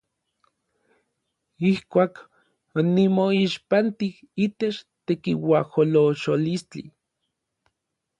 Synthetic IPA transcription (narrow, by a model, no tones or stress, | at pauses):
ihkʷaːk | onimoiʃpant̪ih | iːt̪et͡ʃt̪ekiwaholoʃolist͡ɬḭ